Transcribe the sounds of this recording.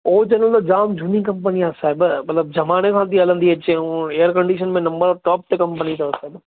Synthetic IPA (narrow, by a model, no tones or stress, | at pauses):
oːt͡ɕɐnə̃lt̪od͡ʑaːmd͡ʑʱunikɐ̃mpəniãːsaːɦɪbmɐt̪ləb̚d͡ʑʱɐmaːñekʰãːt̪ʰiɐlə̃nd̪iɦet͡ɕeũeːəɾkɐ̃ɳɖiːʃənmẽnɐ̃mbəɾɔːʈɔːp̚t̪ekɐ̃mpənit̪ɐɐsaːɦɪb